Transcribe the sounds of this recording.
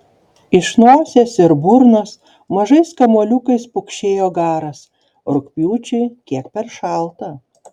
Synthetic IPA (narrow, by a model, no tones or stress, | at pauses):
ɪʃnoːsʲesɪɾbʊɾnɐs | mɐʒɐɪskɐmuɔlʲukɐɪspʊkʃʲeːjoːɡɑːɾɐs | ɾʊkʲpʲjuːt͡ʃʲɛɪkʲiɛkpʲɛɾʃɑˑlˠt̪ɐ